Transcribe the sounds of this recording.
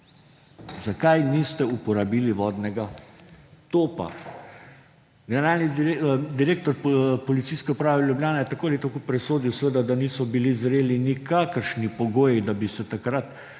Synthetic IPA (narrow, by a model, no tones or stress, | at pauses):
zakajnist̪ɛupɔɾabiːliʋɔːd̪nɛɡa | t̪oːpa̰ | ɡɛnɛɾaːlnid̪iɾeːk̚t̪ɔɾpɔlit̪siːskɛupɾaːʋɛljublʲjaːnɛjɛt̪akoːalit̪akopɾɛsoːd̪iwsʋed̪ad̪aniːsɔbilizɾeːlinikaːkəɾʃnipɔɡoːjid̪abisɛt̪akɾat̪